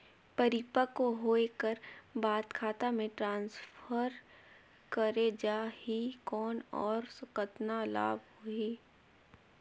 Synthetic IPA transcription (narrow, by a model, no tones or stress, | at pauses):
pəɾɪpəkoɦoːekəɾbaːt̪kʰaːt̪amẽʈɾãːnsfʰəɾ | kəɾed͡ʒaːhikɔːnɔːɾsʊkət̪nala̰ːbhoiː